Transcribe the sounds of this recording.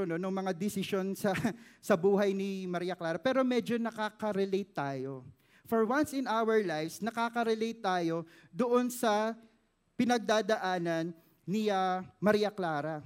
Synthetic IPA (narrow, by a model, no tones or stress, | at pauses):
nonʊŋmɐŋad̪ɛsɪʃo̞nsɐsɐbuːɦɐjnimɐɾiːjɐklaːɾɐpɛːɾo̞mɛd͡ʒo̞nɐkaːkɐɾɛlejt̪ːaːjo̞ | foɹwãnsɪnawɛɹlajfsnɐkaːkɐɾɛlejt̪ːaːjo̞ | d̪oʔo̞nsɐ | pɪnɐɡ̚d̪aːd̪ɐʔaːnɐnː | ɪɐmɐɾiːjɐklaːɾɐ